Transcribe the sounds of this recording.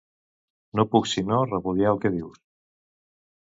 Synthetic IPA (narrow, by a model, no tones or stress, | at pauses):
nopuksinorəpuðjalkeðiws